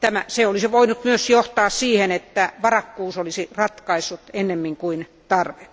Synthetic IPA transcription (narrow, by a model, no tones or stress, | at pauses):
t̪æmæseolisiʋoinut̪myøsjoht̪ɑːssiːhenet̪ːæʋɑrɑkːuːsolisirɑt̪kɑisːut̪enːemːiŋkuin | t̪ɑrʋe